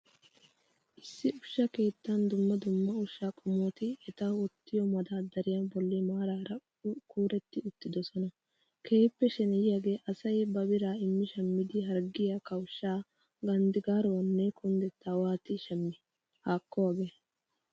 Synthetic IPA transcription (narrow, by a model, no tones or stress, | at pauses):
ʔɪsːɪʊʃːɐke̞ːt̪ːɐnd̪ʊmːɐd̪ʊmːɐʊʃːaːkʼɔmoːt̪ɪɛt̪ɐwɔt̪ːɪjɔmɐd̪ɐd̪ːɐɾɪjɐbɔlːɪmaːɾaːɾɐ | kuːɾɛt̪ːɪʊt̪ːɪd̪ɔsɔnɐ | kʰe̞ːpːɛʃɛnɛjjaɡe̞ːʔɐsɐjbɐbɪɾaːɪmːɪʃɐmːɪd̪ɪɦɐɾɡɪjɐkɐwʃaː | ɡɐnd̪ɪɡaːɾɔɐnːɛkʰʊnd̪ɛt̪ːawaːt̪ɪʃɐmːɪ | haːkːɔwaːɡeː